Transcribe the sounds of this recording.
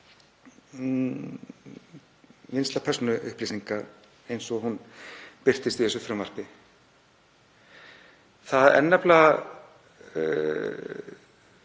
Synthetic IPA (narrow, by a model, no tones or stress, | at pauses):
jenslapʰɛɾ̥sɔnʏʔʏhpliːsiŋkaɾ | ejnsɔhunpɪr̥t̪ɪst̪iθɛs̬ʏfɾʏmvar̥pɪ | θaðɛ̰nːapla